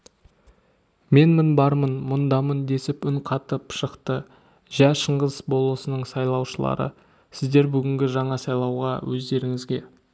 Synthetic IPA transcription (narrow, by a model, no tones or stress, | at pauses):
me̞nmənbɑɾmənmʊnd̪ɑmənd̪e̞sɪpʏŋqʰɑt̪əpʃəqt̪ə | ʒæʃəɴʁəzbo̞lˠəsənəɴsɑjlˠɑwʃəlˠɑ̰ɾə̰ | sɪzd̪e̞ɾbʏɡʲɪŋɡʲɪʒɑɴɑsɑjlˠɑwʁɑ̰wʔɵzd̪e̞ɾɪŋɪzɡʲe̞